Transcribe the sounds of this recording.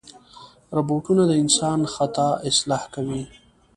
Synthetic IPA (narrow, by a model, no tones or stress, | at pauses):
ɾaboʈunad̪əɪnsɑnxat̪ɑɪslɑhkawi